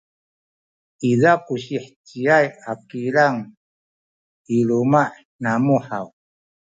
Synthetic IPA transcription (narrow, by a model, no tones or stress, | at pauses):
idaquɕiħt͡ɕiajakiɾaŋ | ilumaħ | namuħaw